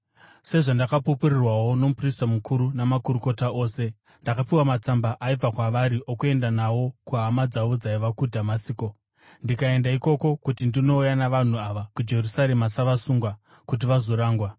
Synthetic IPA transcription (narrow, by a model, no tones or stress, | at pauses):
se̞ʐandakapupuɾirwawo̞nomupristamukʰuɾunamakuɾuko̞tao̞ːse̞ | ndakapiwamat͡sambaʔaib͡vakwaʋaɾiʔo̞kue̞ndanawo̞kuɦamad͡zaʋod͡zaiʋakudʱamasiːko̞ | ndikae̞ndaiko̞ko̞kutindino̞ujanaʋan̤uaʋakud͡ʒe̞rusaɾemasaʋasuŋɡwa | kut̬iʋazo̞ɾaːŋɡwa